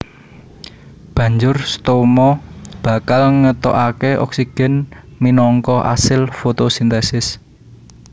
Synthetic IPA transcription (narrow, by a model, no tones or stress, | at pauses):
b̥ä̤ɲd͡ʒʊrst̪omɔb̥ä̤kalŋət̪ɔ̰ʔakeʔɔ̰ksiɡ̥ɛ̤nminɔŋkɔʔa̰sɪlfot̪osint̪ɛsɪs